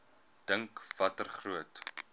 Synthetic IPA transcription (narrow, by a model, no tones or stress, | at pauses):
d̥əŋkv̥ɐtərχruət